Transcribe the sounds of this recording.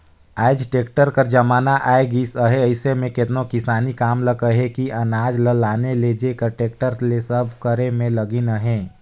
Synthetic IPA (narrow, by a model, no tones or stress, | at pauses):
aːɪd͡ʒʈeːk̚ʈəɾkəɾd͡ʒɐmaːnaʔaːeɡisəɦeɐɪsemẽkɪt̪nõkɪsaːnikaːmləkəɦekiʔɐnaːd͡ʒləlaːneled͡ʒekəɾʈeːk̚ʈəɾlesəbʱkəɾemẽlɐɡinəɦẽː